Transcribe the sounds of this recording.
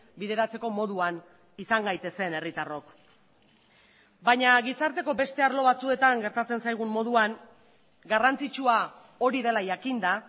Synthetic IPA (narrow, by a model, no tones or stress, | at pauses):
biðe̞ɾat͡se̞ko̞mo̞ðuan | isaŋɡajt̪e̞se̞ne̞rit̪aro̞k | baɲaɣisaɾt̪e̞ko̞be̞st̪e̞aɾlo̞β̞at͡sue̞t̪aŋɡe̞ɾt̪at͡se̞nsajɣ̞umːo̞ð̞uaŋ | ɡarant͡sit͡ʃua | o̞ɾiðe̞lajakind̪a